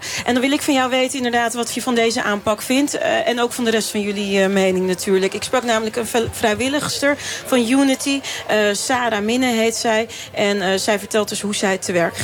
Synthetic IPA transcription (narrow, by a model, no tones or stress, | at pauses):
ʔɛndɑnʋɪlˠɪkfɑnjawʋejtənɪndəɹdaːtʋɑtjəvɑndejzəʔaːmpɑkfɪntɛnowkfɑndərɛstfɑnjɵlimejnɪŋnatʰyːɹləkɪksprɑknaːmələkənvrɛjʋɪləχstəɹfɑnjunətiəsaːɾaːmɪnəɦejtsɛj | ʔɛnsɛjvəɹtɛlˠt̚dɵsɦusɛjtʰəʋɛɹk